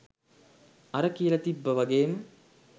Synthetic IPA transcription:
ɐɾəkijəlɐt̪ibːəʋaɡeːmə

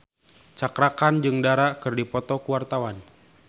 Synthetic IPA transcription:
t͡ʃakɾakand͡ʒɨŋdaɾaʔkɨrdipɔt̪ɔkuwart̪awan

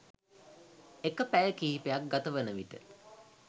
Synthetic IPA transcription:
ekəpæjəkiːpeak̚ɡat̪əʋənəʋiʈə

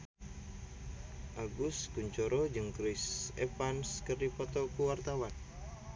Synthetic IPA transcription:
ʔaɡʊskuɲt͡ʃɔɾɔd͡ʒɨŋkɾɪsepanskərdipɔt̪ɔkuwart̪awan

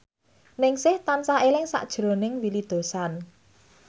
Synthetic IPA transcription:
nɪŋsɪht̪ansaelɪŋsa̰ʔd̥ʒ̥ɾo̤nɪŋwilid̪̥o̤san

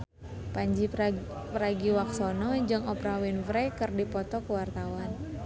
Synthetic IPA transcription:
paɲd͡ʒipɾaɡiwaksɔnɔd͡ʒɨŋɔpɾawinvɾɛkɨrdipɔt̪ɔkəwart̪awan

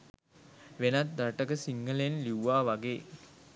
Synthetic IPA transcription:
ʋenat̪̚d̪ɾaʈəɡəsiŋɡəlenliwʋaːʋaɡeː

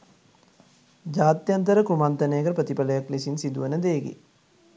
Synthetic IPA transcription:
d͡ʒaːt̪jant̪əɾəkumant̪ənejːkəpɾət̪ipaləjaklesinsid̪uʋənəd̪eːɡḭ

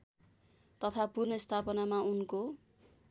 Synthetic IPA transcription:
t̪ʌt̪ʰapurnʌst̪ʰapʌnamaunko

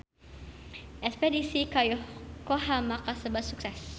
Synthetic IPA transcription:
ʔɛspedisikajɔhkoɦamakasəbasuksɛs

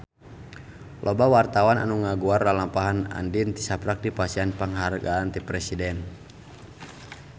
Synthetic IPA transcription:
lʔɔbawart̪awana̰nuŋaɡuarlalampaɦana̰ndint̪isapɾak̚dipasianpaŋɦarɡaːnt̪ipɾɛsidɛn

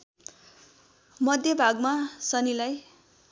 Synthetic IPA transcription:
mʌd̪ʱjʌbʱaɡmasʌnilaj

